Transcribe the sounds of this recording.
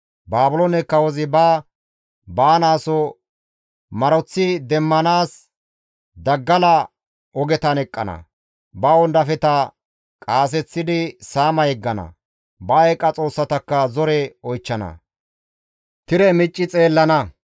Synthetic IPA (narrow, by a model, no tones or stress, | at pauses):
baːbʊlɔnɛkːɐwɔzɪba | baːnaːsɔ | mɐɾɔt͡sːɪd̪ɛmːɐnaːs | d̪ɐɡːɐlɐ | ɔɡɛt̪ɐnɛkʼːɐ̰nɐ̰ | bɐwɔnd̪ɐfɛt̪ɐ | kʼaːs̬ɛt͡sːɪd̪ɪsaːmɐjɛɡːɐnɐ̰ | bɐɛkʼːɐt͡sʼo̞ːsːɐt̪ɐkːɐzɔɾɛɔjt͡ʃːɐnɐ̰ | t̪ɪɾɛmɪt͡ʃʼːɪt͡sʼe̞ːlːɐnɐ